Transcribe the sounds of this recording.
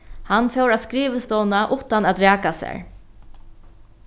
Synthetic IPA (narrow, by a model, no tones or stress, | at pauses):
hanːfɛwɾaskɾiːʋəst̪ɔwnaʔʊht̪anat̪ɾæːkasɛ̰ɹ